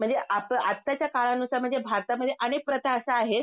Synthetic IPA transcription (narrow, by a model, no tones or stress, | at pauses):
m̤əɳd͡zeʔapat̪ːat͡ɕjakaɭanusaɾm̤əɳd͡zebʱaɾt̪am̤ənd̪ːeʔənek̚pɾət̪aəsaːɦe